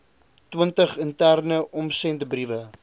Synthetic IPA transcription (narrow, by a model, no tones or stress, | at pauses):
twəntəχəntærnəʔɔmsɛndəbrivə